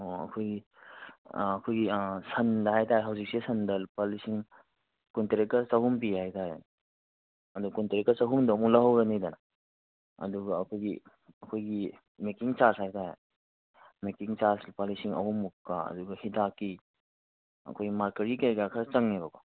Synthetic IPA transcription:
oɐ̰kʰojɡi | ɐkʰojɡisɐndɐɦajtaɦeɦɐwzik̚sisʰɐndɐlpalisiŋ | kunteɾek̚tɐɾsɐhumpihajtaɾḛnɐ | ɐdukunteɾek̚tɐɾsɐɦumdɐmulɐɦɐwɾɐnijdɐna | ɐ̰duɡɐɐkʰojɡi | ɐkʰojɡi | mekiŋt͡ʃaɾshajtaɦḛ | mekiŋt͡ʃaɾslpalisiŋɐ̰humːukːaɐ̰duɡɐhitʰakːi | ɐ̰kʰojɡimaɾkɐɾɡikejɡakʰat͡ʃɐŋnibɐbɐ

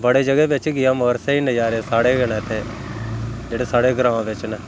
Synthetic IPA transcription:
bəɽeːd͡ʒəɡɛːʋɪt͡ʃɡɪãːməɾseːiːnəjaːɾeːsaːɽeːɡəɽ̃ẽːt̪ʰːeː | d͡ʒeːɽeːsaːɽeːɡɾãːʋãːʋɪt͡ʃnɛː

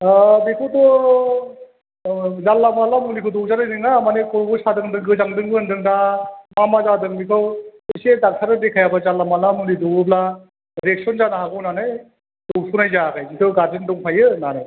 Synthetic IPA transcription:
bikʰɯtɔ | zalːamalamunlikʰɯdɔwzanajdɯŋamanekʰɔɾbɯsadɯŋdɯŋɡɯzaŋdɯŋɡɯɯndɯŋdamamazadɯŋmikʰɯwɯsedak̚sʰaɾɯdekʰajabazalːamalamulidɔɡɯbla | ɾek̚sɔnzanaɦaɡɯwnanɯj | d̥ɔwsunajzakʰajzitʰɯɡaɾd͡ʒindɔŋpʰajɯnanaj

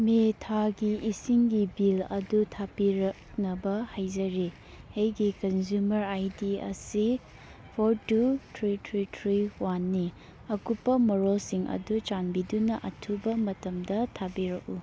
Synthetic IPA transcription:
metʰaɡiʔisiŋɡibilɐ̰dutʰapiɾɐk̚ | nɐbɐhajd͡ʒɐɾi | hejɡikɐnzumɐɾajdiɐ̰si | pʰoɾtutʰɾitʰɾitʰɾiwanːi | ɐkupːɐmɔɾolsiŋʔɐ̰dut͡ʃanbidunɐʔɐtʰubɐmɐtɐmdɐtʰabiɾɐk̚u

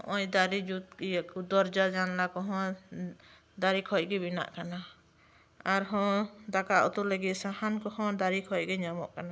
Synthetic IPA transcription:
ɔʔɔjd̪aɾid͡ʒut̪̚kijakud̪ɔɾd͡ʒad͡ʒanlakɔɦɔ̃ | d̪aɾikʰɔjɡɛbina̰ʔkana | aɾɦɔ̃d̪akaʔṵt̪uɾləɡit̪sahankɔhɔ̃d̪aɾikʰɔjɡɛɲamɔ̰ʔkana

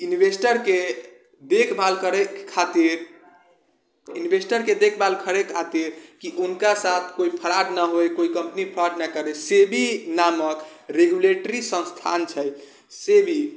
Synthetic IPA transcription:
inibʱesʈəɾke | d̪ekʰbalkəɾɛkʰːat̪iɾ | inibʱesʈəɾked̪ekʰbalkʰəɾekʰat̪iɾkiʔunkasat̪ʰkoipʰəɾaɖnəɦojkoikəmpnipʰəɾaɖnakəɾesebʱinaməkɾeɡjuleʈəɾisə̃nst̪ʰa̰nt͡ʃʰɛ | sebʱi

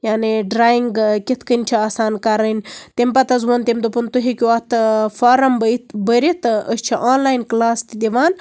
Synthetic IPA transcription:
jaːniɖɾaːjiŋɡkʲit̪ʰkənʲt͡ʃʰiaːsaːnkɐɾɐnʲt̪empɐt̪ɐzʋɐnt̪emd̪opunt̪uɦikʲuɐt̪faːɾɐmbət̪bəɾit̪əst͡ʃʰiʔaːnlaːjnklaːst̪id̪ʲiʋaːn

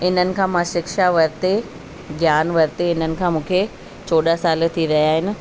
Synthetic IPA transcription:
ɪn̤ənɪ̆kʰãːmãʃɪkʃaʋɐɾɪt̪e | ɡjaːnʋɐɾt̪eɪn̤ənɪ̆kʰãːmũːkʰe | t͡ɕoːɗasaːlt̪ʰiɾɐijaːɦɪnɪ̆

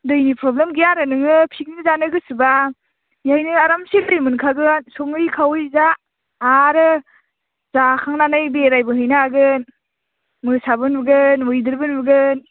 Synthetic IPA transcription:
dɯjnipʰɾɔblemɡijaɾɯnɯŋɯpʰik̚nɯzanɯɡɯsɯba | jhajnɯaɾamsilɯjmɯnkʰaɡɯnsɔŋɯjkʰawɯjzaː | ɾɯ | zakʰaŋnanɯjbeɾajbɯɦɯjnaɡɯn | mɯsabɯnbɯɡɯnwɯjdɯɾbɯnbɯɡɯn

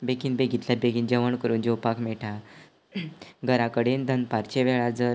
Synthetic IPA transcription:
bekiːnbeɡʱit̪labeɡiːnd͡ʑəʋəɳkəɾuːnd͡ʑowpakʰmɛʈʰa | ɡʱəɾãkəɽend̪ʱənpaɾt͡ɕeʋɛɭaɾd͡zəɾ

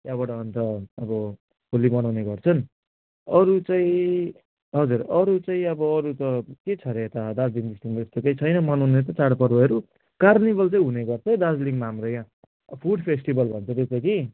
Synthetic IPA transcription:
jabaʈaʌnt̪ʌʌbʌ | polimʌnawneɡʌrt͡sʰʌn | ʌɾut͡saĩ | ɦʌd͡zurʌɾut͡saĩʌbʌːɾut̪ʌket͡sʰʌɾet̪ad̪ad͡zliŋd̪isʈiŋmaest̪okejt͡sʰʌjnʌmʌnawnet̪̬ʌt͡saɽpʌrbʌʌɾu | karnibʌlt͡saĩɦuneɡʌrt͡sʰʌd̪ad͡zliŋmaɦamrojã | pʰuɽpʰesʈibʌlbʱʌnt͡sʰʌt̪et͡sʌki

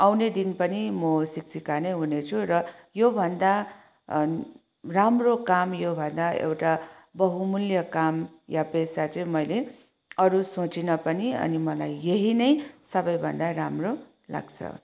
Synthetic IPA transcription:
awned̪inpʌnimʌsiksikaneɦunet͡sʰuɾʌjobʱʌnd̪a | ramrokamjobʱʌnd̪aḛwʈa | bʌɦumuljʌkamjapesat͡sʌĩmʌjle | ʌɾusot͡sinʌpʌniʌ̰nimʌlajːeɦinʌjsʌbʌjbʱʌnd̪aɾamro | la̰ɡt͡sʰʌ̰

